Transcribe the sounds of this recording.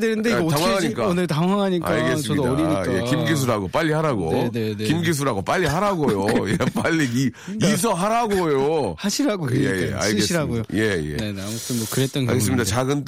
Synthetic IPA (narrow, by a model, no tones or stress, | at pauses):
denɯndetaŋwaaɲik͈aonɯɭtaŋwaŋɦaɲik͈a̰ɭɡes͈ʌidodɾiɲijekimɡis̬ʰuɾaɡop͈aʎːihaɾaɡonkimɡis̬ʰuɾaɡop͈aʎːiɦaɾaɡojojep͈aʎːi | is̬ʰʌɦaɾaɡojohaɕʰiɾaɡokjejḛa̰ɭɡesɕʰiɾaɡojoje̞jḛneamutʰɯnmokɯɾet͈̚ʌna̰ɭɡes̬͈ɯmɲidat͡ɕaɡɯn